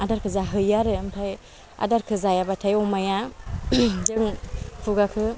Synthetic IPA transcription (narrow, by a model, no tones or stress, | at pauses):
adaɾkʰɯzaɦɯjaɾɯɯmtʰaj | a̰daɾkʰɯzajabatʰajɔmaja | zɯŋpʰuɡakʰɯ